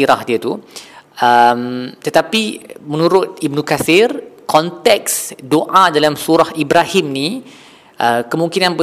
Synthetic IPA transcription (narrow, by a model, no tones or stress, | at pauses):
iɾahdiət̪u | əmt̪ət̪apimənũɾʊt̪̚ib̚nũkaθɪrkɔnt̪ɛksdoʔadalamsuɾahibɾahimni | ʔəkəmũŋkinãnbə